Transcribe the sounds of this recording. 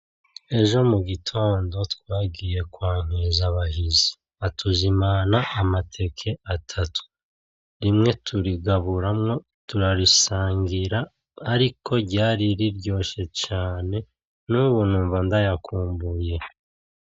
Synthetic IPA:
e̞ʒo̞muɡitʰo̞ːndo̞twaːɡiːje̞kwaːŋ̥ezaβaɦizi̥ | atʰuzimanaʔːmatʰe̞kʰe̞atʰatʰu̥ | ɾimŋe̞tʰuɾiɡaβuɾamŋo̞ | tuɾaɾisaːŋɡiɾaː | ɾikʰo̞ɟaːɾiɾiɾɟo̞ːʃe̞t͡ʃaːne̞ | nuβuːn̥uːɱvandajakʰuːmbuje̞

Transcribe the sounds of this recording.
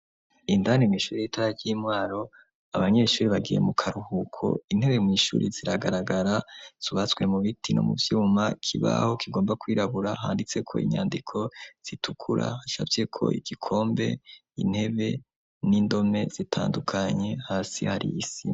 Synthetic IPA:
indanemŋwiːʃuːɾijitaɾaɾɟiːmwaːɾo̞ | aβaɲe̞ʃuːɾiβaɡije̞̰mukʰaɾuhukʰo̞̰in̥he̞βe̞mŋiːʃṵːɾiziɾaɡaɾaɡaɾaz̥uβat͡swe̞muβitʰino̞̰muvjuːmakʰiβa̰ho̞kiɡo̞ːmbakwiːɾaβuɾaɦaːndit͡se̞kʰo̞̰ḭɲa̰ːndikʰo̞z̥itʰukʰuɾʔa̰haʃa̰ːvje̞kʰo̞̰ʔiɡ̥ikʰo̞ːmbe̞̰ | in̥he̞βe̞ | nindo̞me̞z̥itʰa̰ːndukʰaɲe̞haːsḭhaɾḭjisi

